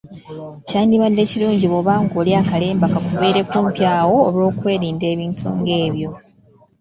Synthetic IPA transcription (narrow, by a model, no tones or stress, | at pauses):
caːniβanːe̞ːciluːɲɟiβoβaːŋɡoːliaːkale̞ːmbakakuβeːɾe̞kuːmpjaːwo̞ːlo̞ːkwe̞ːɾiːnde̞ːβiːntʰṵŋɡe̞ːβjo̞